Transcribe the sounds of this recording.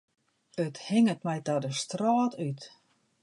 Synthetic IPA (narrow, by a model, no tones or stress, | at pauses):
əthɪŋətmɛjtadəstrɔːtyt